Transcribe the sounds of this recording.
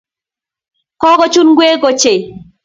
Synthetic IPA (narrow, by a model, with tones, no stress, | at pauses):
kɔ˦ɡɔ˦t͡ʃu˦nɡwe˦ɡɔ˨t͡ʃe˨